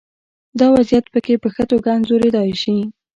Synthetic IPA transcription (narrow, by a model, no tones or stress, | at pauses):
d̪ɑwazjat̪pəkepəxət̪oɡɑnzoɾed̪ɑjʃi